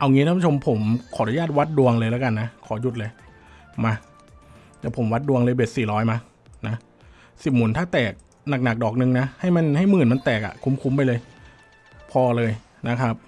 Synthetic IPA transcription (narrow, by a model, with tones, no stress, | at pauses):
ʔa˧wŋiː˧˦˥t̪a˧˥pʰu˥˦o˧mpʰo˩˦mkʰɔː˩˦ɾu˧˦jaː˥˩t̪̚wa˦˥t̪̚du˧əŋlɤː˧jlaː˦˥ka˧nːa˦˥kʰɔː˩˦ju˨˩t̪̚lɤː˧j | maː˧ | t͡ɕa˨˩pʰo˩˦mwa˦˥t̪̚du˧əŋlɤː˧jbeː˨˩t̪̚siː˨˩ɾɔː˦˥jma˧ | na˦˥ | si˨˩p̚muː˨˩˦nt̪ʰaː˥˩t̪ɛː˨˩k̚ | na˨˩k̚na˨˩k̚dɔː˨˩k̚nɯ˧ŋna˦˥ha˥˩jma˧nha˥˩jmɯː˨˩nma˧nt̪ɛː˨˩k̚ʔa̰˨˩kʰu˧˥mkʰu˧mp̬a˧jlɤː˧j | pʰɔː˧lɤː˧j | na˦˥kʰa˦˥p̚